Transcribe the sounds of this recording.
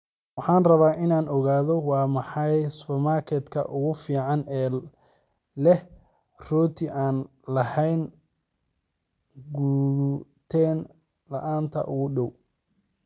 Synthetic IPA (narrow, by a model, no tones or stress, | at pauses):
wɑħɑːnrɐβaːʔɪnaːnɔɣaːðɔwɑːmɑħɑjsʊpɐmaːrkʰɛd̪kʰɐ̰ʔʊɣʊfiːʕɑnɛː | lɛh | rɔːt̪ʰɪʔaːn | lɐhɛjn | ɡuːt̪ʰɛːn | lɐ̰ʔaːnt̪ʰɐ̰ʔʊɣʊɖɔw